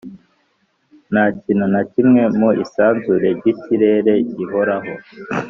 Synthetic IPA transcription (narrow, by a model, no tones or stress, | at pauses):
nacinunacimŋe̞muisaːnzuɾe̞ɾɟiciɾe̞ɾe̞ɟiɦo̞ɾaɦo̞